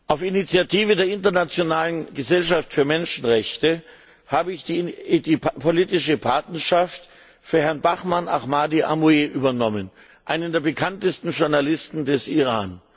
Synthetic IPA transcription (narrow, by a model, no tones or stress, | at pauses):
ʔaʊfinit͡sjatʰiːvədeːɐɪntɐnat͡sjonaːlənɡəzɛlʃaftfyːɐmɛnʃn̩ʁɛçtə | haːbəɪçd̥dipʰoliːtɪʃəpʰaɐtnɐɐʃaft | fyːɐhɛɐnbaχmana̰χmaːdiʔamueʔyːbɐnɔmən | ʔaɪnəndeːɐbəkʰantəstn̩ʒʊɐnalɪstn̩dɛsiʁaːn